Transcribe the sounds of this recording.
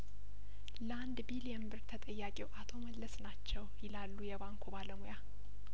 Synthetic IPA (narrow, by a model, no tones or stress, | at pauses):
land̪biljɛmbɨɾt̪ʰət̪ʼəjːakʼiwʔat̪ʰo̞məlːəsnat͡ʃːɛwjɪlalːujɛbaŋkʰobaləmoja